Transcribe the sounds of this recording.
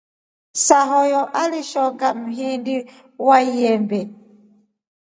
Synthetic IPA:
saɦɔjɔʔaliʃɔŋɡam̩ɦindi | wajɛmbɛ

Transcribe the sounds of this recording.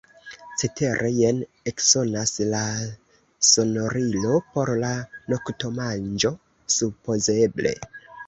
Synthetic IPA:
t͡sete̞ɾʔe̞jen | ekso̞nasla | so̞noɾilo̞po̞ɾlano̞kto̞mand͡ʒo̞ | supo̞ze̞ble̞̰

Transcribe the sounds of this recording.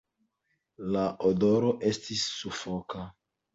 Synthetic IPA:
laʔodoɾo̞ʔe̞stisːufoka

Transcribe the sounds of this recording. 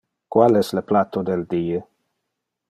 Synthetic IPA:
kwalɛsləplat̪od̪eld̪iːə

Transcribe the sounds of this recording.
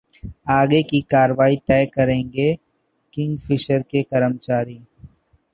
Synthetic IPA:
aːɡekikaːɾəʋaːit̪ɛːkɐɾẽːŋɡe | kɪ̃ŋɡfʰɪʃəɾkekɐɾəmt͡ʃaːɾiː

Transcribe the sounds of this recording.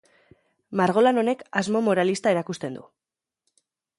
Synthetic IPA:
maɾɣ̞o̞lano̞ne̞kazmo̞mo̞ɾalist̪ae̞ɾakust̪e̞nd̪ṵ

